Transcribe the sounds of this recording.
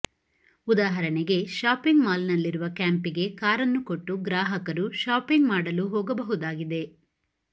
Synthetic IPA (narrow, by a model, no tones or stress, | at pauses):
ud̪aːɦɐɾɐɳɛɡe̞ʃaːpiŋɡmaːlnɐlːiɾuʋɐkaːmpiɡe̞kaːɾɐnːukoʈːuɡɾaːɦɐkɐɾuʃaːpiŋɡmaːɽɐluɦɔːɡɐbɐɦud̪aːɡid̪e̞